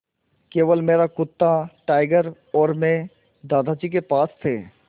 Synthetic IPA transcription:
keːʋəlmeːɾakʊt̪ːaʈaːɪɡəɾ | ɔːɾmẽ | d̪aːd̪ʱad͡ʒik̬epaːst̪ʰeː

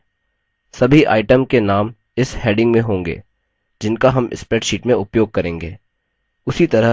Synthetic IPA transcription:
sɐbʱiʔa̰ːɪʈəmkenaːm | ɪsheːɖɪ̃ŋɡmẽɦõːŋɡḛː | d͡ʒɪnkaɦɐmʔɪ̰spɾɛːʈʃiːʈmẽʊpjoːɡ̚kɐɾẽːŋɡḛː | ʊsit̪ɐɾəɦ

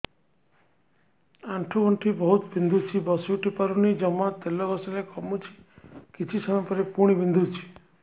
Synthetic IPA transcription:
aɳʈʰuɡɔɳʈʰibɔɦut̪bind̪ʱut͡ʃʰibɔsuʈipaɾunid͡ʒɔmat̪elːɔɡɔsɔɾekɔmut͡ʃʰi̥kit͡ʃʰisɔmapɔɾepuɽ̃ibind̪ʱut͡ʃʰi̥

